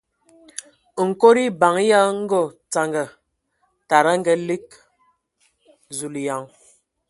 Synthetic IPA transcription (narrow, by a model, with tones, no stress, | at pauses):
ŋ̩˨ko˦ɾi˦ba˨ŋ˦ja˦ŋ̩˦ɡɔ˦˨t͡sa˨ŋɡə˨ | ta˨ɾa˦ŋ̩˦ɡɛ˨li˦k̚ | zu˨lja˨ŋ